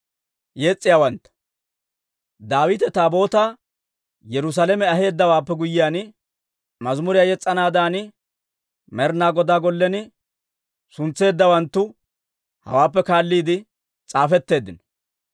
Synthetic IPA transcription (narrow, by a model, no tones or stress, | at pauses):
jeːt͡sʼːɪjawɐnt̪ːɐ̥ | d̪aːwɪt̪ɛt̪aːbo̞ːt̪a | jɛɾʊs̬alɛmɛɐɦe̞ːd̪ːɐwaːpːɛɡʊjːɪjaːnɪ | mɐzmʊɾɪjajɛt͡sʼːɐnaːd̪aːnɪ | mɛɾnaːɡɔd̪aːɡɔlːɛnɪ | sʊnt͡sːe̞ːd̪ːɐwɐnt̪ːʊ | hɐ̰waːpːɛkaːlːiːd̪ɪ | t͡sʼaːfɛt̪ːe̞ːd̪ːɪnɔ̥